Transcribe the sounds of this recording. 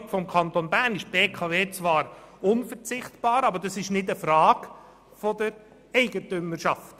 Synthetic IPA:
fɔmkʰɑnt̪onbæːɾnɪʃb̥eːkʰɑveːt͡sʋɑːɾʊnfəɾt͡sɪχtb̥ɑːɾɑbəɾdɑsɪʃnɪdəfɾɑːk | fɔdəɾ | ɛɪɡətʏməɾʃɑft

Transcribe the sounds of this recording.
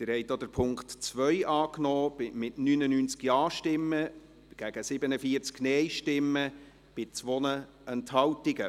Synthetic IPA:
t̪ɪɾhɛjtdod̪əɾpʰʊŋktt͡sʋœjʔɑːknɔːbɪmɪtnynənyːnt͡skjɑːʃtɪmːə | ɡ̥æɡ̥əsɪbənəfiəɾt͡sknɛjʃtɪmːə | b̥ɪt͡sʋɔnə | ɛnthɑwtɪɡə

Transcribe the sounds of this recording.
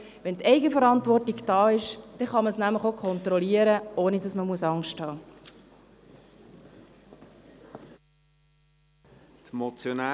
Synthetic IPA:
ʋɛntɛɪɡəfəɾɑntʋɔrtiɡd̥ɑːɪʃd̥ɛχɑməsnæmləχokʰχɔnt̪ɾɔliəɾəoːnidɑsməmuəsɑŋʃthɑː | t̪mot͡sjonæ

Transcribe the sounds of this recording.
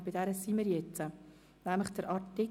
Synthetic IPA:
b̥ɪdɛɾəsiməɾjɛt͡sə | næmləχd̥əɾʔɑɾtɪ

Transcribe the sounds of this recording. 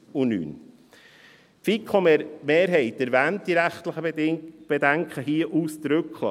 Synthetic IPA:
uny̰ːn | pfikχomemeːɾɦɛɪtæɾvæːnt̚d̥iɾæχtləχəb̥edæŋkχəɦiːəʔuːsdɾʏklə̰

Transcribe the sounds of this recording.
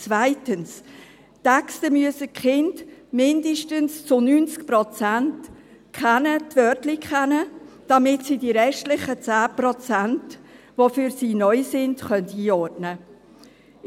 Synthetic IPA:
t͡svaɪtəns | tɛkstəmyəsəkχɪndmɪndəʃtənst͡sʊnynt͡skprɔt͡sænt | kχanətʋœtlikχɛnə | d̥ɑmɪtsidiɾɛʃtlɪχət͡sæːprɔt͡sænt | ʋofyɾsiːnœʏsɪndχœntiːɔɾtnə

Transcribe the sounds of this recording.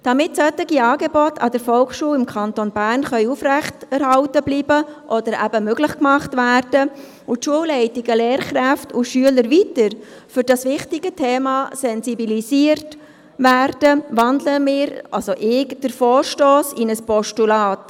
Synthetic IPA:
d̥ɑmɪtsœtːɪɡiɑːɡebɔtʰɑ̰d̥əɾfɔlkχʃuːlɪmkʰɑntonbæːrnχœʏufɾæχtɛɾhɑʊtəbliːbəʔɔd̥əɾæ̰bəmøɡlɪχkmɑχtʋæːrd̥ə | ʊtʃuəwlɛɪtɪɡəleːɾkɾæftʊʃyələɾʋitəɾfʏɾd̥ɑsʋɪχtɪɡ̥ətʰeːmɑsɛnsibilisiəɾt | væːrd̥əʋɑndləmɪːɾɑlsoʔɪkd̥əɾfoːrʃtoːsinəspɔʃtulɑːt

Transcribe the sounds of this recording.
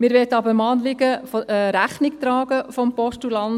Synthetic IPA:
mɪːɾʋɛtɑbəɾmɑːnlɪɡəfɾæχnɪk̚tɾɑːɡ̥əfɔmpɔʃtulɑn

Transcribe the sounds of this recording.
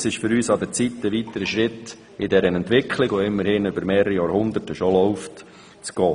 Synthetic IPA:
sɪʃfʏɾyːsɑd̪əɾt͡sitːəʋit̪əɾəʃɾɪt | ɪdɛɾənɛntʋɪkʰχlɪɡʋoɪmːəɾhɪnʏbəɾmeːɾəɾijɑːɾhʊnd̪ətəʃolɔʊft | t͡sɡ̥ɔː

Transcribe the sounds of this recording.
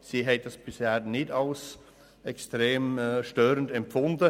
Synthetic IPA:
siːɦɛɪt̚d̥ɑsb̥ɪshɛːɾnɪdɑls | ɛkstɾeːmʃtøːɾəndɛmpfʊndə

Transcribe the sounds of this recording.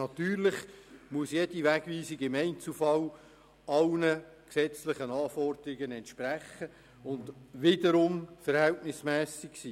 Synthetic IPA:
nɑt̪yːɾlɪχmuəsjed̥iʋæɡʋiːsiɡɪmɛɪnt͡sufɑl | ɑlnə | ksɛt͡slɪχənɑːfɔrd̪əɾiɡənɛntʃpɾæχːə | ʊnd̪ʋɪd̪əɾʊmfəɾhɛltnɪsmɛːsiksiː

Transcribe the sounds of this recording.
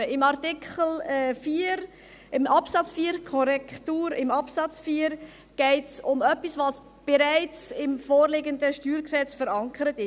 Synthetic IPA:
əɪmɑɾtɪkʰχəl̩ːfiːəɾ | ɪmʔɑpsɑt͡sfiːɾkʰɔɾɛktuːɾɪmɑpsɑt͡sfiːəɾ | ɡ̥ɛɪtsʊmœpːisvɑs | b̥ɛɾaɪt͡sɪmfoːɾlɪɡənd̪əʃtyːɾksɛt͡sfəɾɑŋkʰəɾətɪ

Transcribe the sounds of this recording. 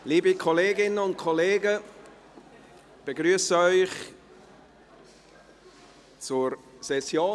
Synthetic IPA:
liːbikʰɔleːɡɪnənʊntkʰɔleːɡə | b̥eɡɾyːəsəœʏχ | t͡suɹ | sɛsjoː

